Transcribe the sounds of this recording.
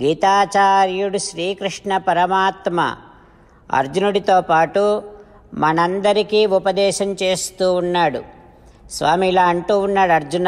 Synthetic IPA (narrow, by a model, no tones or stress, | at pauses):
ɡiːt̪aːt͡ʃaːɾjuɽuʃɾiːkɾiʂɳɐpɐɾɐmaːt̪mɐ̰ | ɐ̰ɾd͡ʒunuɽit̪oːpaːʈu | mɐnɐnd̪ɐɾikiːupɐd̪ɛːʃɐmt͡ʃe̞ːst̪uːunːaːɽṵ | sʋaːmilaːɐɳʈuːunːaːɽɐɾd͡ʒun